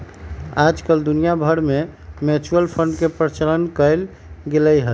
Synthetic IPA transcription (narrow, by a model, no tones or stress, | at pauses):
ad͡ʒkəld̪unijabʱəɽmemet͡ʃuəlpʰəɳɖkepɾət͡ʃələnkəl | ɡeləjɦə